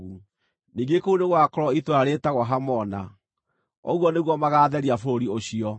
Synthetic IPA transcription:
u | niːɡekouneɣwakɔɾɔitwɾaɾetaɣwɔɦamɔna | ɔ̰ɣwɔneɣwɔmaɣaːðɛɾiafooɾioɕiɔ

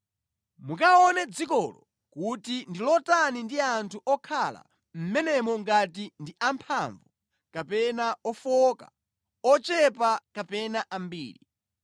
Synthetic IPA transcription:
mukaɔnɛd͡zikɔlɔ | kutindilɔtanindiantʰuʔɔkʰala̰ | m̩mɛnɛmɔŋɡatindiʔampʰaɱvu | kapɛnaɔfɔka̰ | ɔt͡ʃɛpakapɛnaʔambḭːɾi

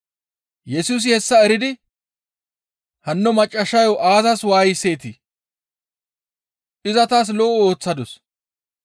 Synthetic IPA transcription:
jɛsuːs̬ɪhɛsːɐɛɾɪd̪ɪ | hɐnːɔmɐt͡ʃʼːɐʃːɐjoʔaːzɐswaːjɪsːe̞ːt̪i | ʔɪzɐt̪aːs̬lɔːʔo̞ːt͡sːɐd̪ɔs

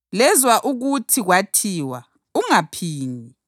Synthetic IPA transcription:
lɛzwaʔuɣutʰiɣwatʰiːwa̰ | uŋapʰiːni

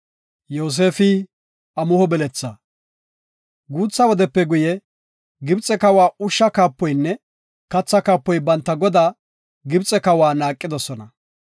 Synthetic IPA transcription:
joːs̬e̞ːfɪ | ɐmʊhɔbɛlɛt͡sːɐ | ɡuːt͡sːɐwɔd̪ɛpːɛɡʊjɛ | ɡɪbt͡sʼːɛkɐwaːʊʃːɐkaːpːɔjnːɛ | kɐt͡sːɐkaːpːɔjbɐnt̪ːɐɡɔd̪aː | ɡɪbt͡sʼːɛkɐwaːnaːkʼːɪd̪ɔsɔnɐ

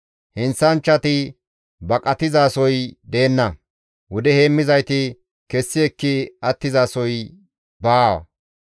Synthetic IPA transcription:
hɪnsɐnt͡ʃːɐt̪ɪ | bɐkʼɐt̪ɪzaːsɔjd̪e̞ːnːɐ | wʊd̪ɛhe̞ːmːɪzɐjt̪ɪ | kɛsːɪɛkːɪɐt̪ːɪzaːsɔj | baːwɐ̰

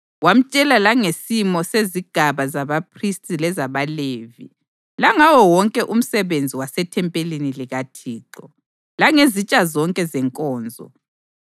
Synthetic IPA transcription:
wam̩t͡ʃʼɛlalaŋesimɔseziɡ̥ʱaβazaβapʰristʼilɛzaβaleːvḭ | laŋawɔwɔŋkʼɛʔum̩sɛβend͡zʱiwasɛtʰɛmpʼeliniliɣatʰiːǁɔ | laŋezit͡ʃʼazɔŋkʼɛzɛŋkʼɔːnd͡zʱɔ̰

